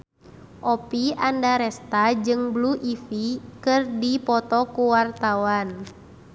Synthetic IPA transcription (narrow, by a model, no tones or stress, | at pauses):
ʔɔpiandaɾɛst̪ad͡ʒɨŋbluʔifikɨrdipɔt̪ɔkuwart̪awan